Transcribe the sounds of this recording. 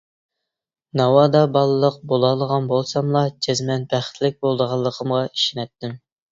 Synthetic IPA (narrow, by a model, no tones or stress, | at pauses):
nɑwɑd̪ɑbɑlˠɨlˠəq̚bolˠɑlˠəʁɑnbolˠsɑmlˠɑd͡ʒʰɛzmɛnbæχt̪ʰlɪk̚ʲbolˠd̪əʁɑlˠːəqʰəmʁɑi̥ʃinɛt̪ʰːɪm